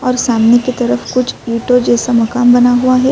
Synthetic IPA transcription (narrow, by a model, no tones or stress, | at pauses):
ɔːɾsaːmneket̪ɐɾəfkʊt͡ʃʰjuːʈod͡ʒɛːsamɐkaːmbɐnaɦuaɦɛ